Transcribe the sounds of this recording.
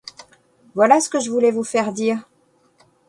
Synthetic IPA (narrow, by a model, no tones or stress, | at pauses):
vwalasə̥kəʒəvulɛvufɛʁd̪iːʁ